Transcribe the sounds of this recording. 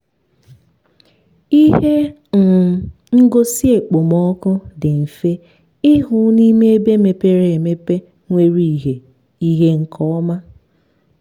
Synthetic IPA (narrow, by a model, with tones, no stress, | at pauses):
i˦ɦe˦ | ŋ̩˨ | ŋ̩˦ɡo˦si˦e˨k͡po˨mɔ˦kʊ˦dɪ˨m̩˨fe˦ | ɪ˦ɦʊ˨˦ni˦me˦e˦be˦me˨pe˦ɾe˨e˨me˦pe˦ | ŋʷe˦ɾi˦˨ɦe˨ | i˦ɦe˦ŋ̩˦kʰɔ˦ɔ˦ma˦